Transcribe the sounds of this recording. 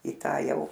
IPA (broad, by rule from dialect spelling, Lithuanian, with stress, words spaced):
iː ˈtɑː ˈjɛʊ